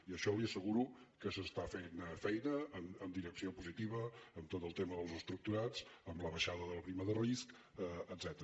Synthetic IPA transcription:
iəʃɔliəsəɣuɾukəsəst̪afenfɛjnəːməmd̪iɾəksiopuzit̪iβəːmt̪ot̪əlˠt̪eməðəlˠzəst̪ɾuk̚t̪uɾaz̥əmləβəʃaðəðəlˠpɾiməðərisk | əəd̪zɛt̪əɾə

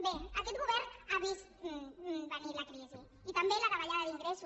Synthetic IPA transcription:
beakɛt̪ɣuβɛɾaβis | bənilakɾizi | it̪əmbelakaβaʎaðəðiŋɡɾesu

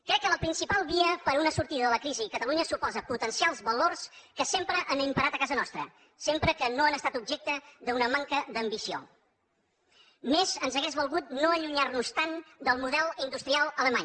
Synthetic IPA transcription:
kɾɛkːələpɾinsipalˠβiəpəɾunəsuɾt̪iðəðələkɾizikət̪əluɲəsupɔzəput̪ənsialˠzβəlorskəsempɾəʔənimpəɾat̪əkazənɔst̪ɾə | sempɾəkənoanəst̪at̪ubʒɛk̚t̪əðəunəmaŋkəd̪əmbisio̰ | mezənzəɣɛzβulˠɣut̪noəʎuɲarnust̪and̪əlˠmuðɛlˠind̪ust̪ɾialˠələmaɲ

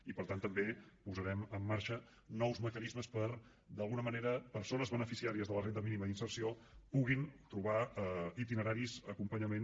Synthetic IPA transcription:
ipəɾt̪ant̪əmbepuzəɾɛməmːaɾʃə | nɔwzməkənizməspəɾ | d̪əlˠɣunəməneɾəpəɾsonəzβənəfisiaɾiəzðələrenəminiməðinsərsiopuɣint̪ɾuβait̪inəɾaɾizəkumpəɲəmen

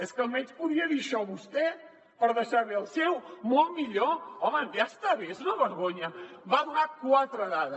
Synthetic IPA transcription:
eskɐlˠmẽnt̪puðiɐðiɾʃɔβuʃt̪e | pɐɾɐðeʃaɾβelˠsewmõjmiʎoɾɔmɐ̃ast̪aβeznɐβəɾɣoɲɐβaðuɾaɾkwat̪ɾɐðaðɐ

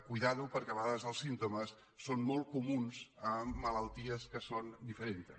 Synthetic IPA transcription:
kujðaðupəɾkɛɐβəɣaðəzðəlˠsint̪uməsː | onmɔlˠtkumunzəmːələlˠt̪iəskəsond̪ifəɾent̪

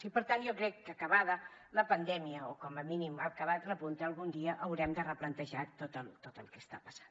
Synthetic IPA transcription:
sipəɾt̪anʒokɾɛkːəkəβaðə | ləpənd̪ɛmiəokɔməminimakəβat̪rəpunt̪əːlˠɣund̪iəʔəwɾɛmd̪ərəplənt̪əʒat̪ot̪əlˠt̪ot̪əlˠkɛst̪apə̥sḁn

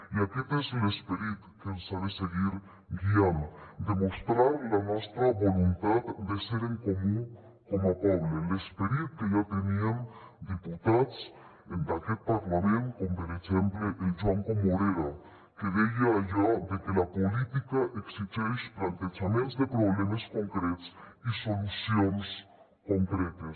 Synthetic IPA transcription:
iaket̪eselespeɾit̪kensaβeseɣiɾ | ɡiand̪emost̪ɾaɾlanwest̪ɾaβolunt̪aðd̪eseɾeŋkomũŋ | komapoβlelespeɾit̪̚keʝat̪eniamd̪iput̪ads | ɛnd̪akɛt̪̚paɾlamɛnt̪kɔmbɛɾɛzɛmblɛʔid͡ʒuankɔmɔɾɛɾa | kəðɛjajɔd̪ɛkilapolit̪ikaʔeksit͡ɕɔjʃpɾant̪ɛt͡ʃamɛnsðɛpɾɔblɛməskɔŋkɾɛt̪sisolusiɔnɛs | kɔŋkɾɛt̪əs

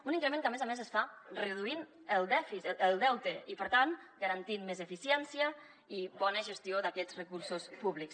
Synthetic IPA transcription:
uniŋkɾəmeŋkəmezamezəsfarəðuin | əlˠd̪ɛfiəlˠd̪ɛwt̪əipəɾt̪anɡəɾant̪inmezəfisjɛnsiə | iβɔnəʒəst̪ioðakɛd͡zrəkuɾsuspuβliks

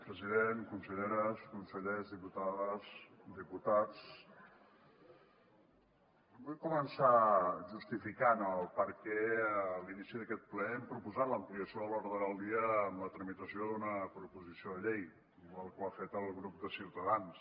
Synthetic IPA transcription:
pɾəziðenkunsəʎeɾəskunsəʎezðiput̪aðəzd̪iput̪at͡s | bujkumənsaʒust̪ifikanəlˠpəɾkɛəlinisiðəkɛt̪̚plɛɛmpɾupuzat̪ləmpliəsioəloɾðəəlˠd̪iəːmlət̪ɾəmit̪əsioðunəpɾupuzisioðəʎej | əlˠkwafet̪əlˠɣɾup̚d̪əsiwt̪əðans

